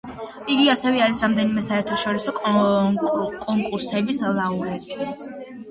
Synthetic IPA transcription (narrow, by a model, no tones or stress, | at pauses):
iɡiasɛvɛaɾisɾamd̪ɛnimɛsaɛɾt̪ʰaʃɔɾisɔ | kʼɔŋkʼuɾsɛbislˠauɾɛt̪ʼi